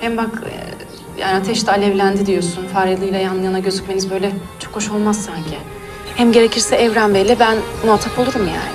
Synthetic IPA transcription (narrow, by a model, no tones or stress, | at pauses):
hɛmbakʰ | ja̰ːniat̪ʰɛʃt̪ɛːlʲɛvlʲænd̪id̪ijo̞sunfaɾjalˠɯjlˠajanˠɯjanaɟø̞zycʲme̞nizbø̞jlʲɛt͡ʃʰo̞kho̞ʃo̞lˠmazsːaɲcʰɪ | hɛmɟe̞ɾe̞cʰiɾsɛɛvɾænbelʲːɛbænnat̪ʰapʰolˠuɾumja̰ːnɪ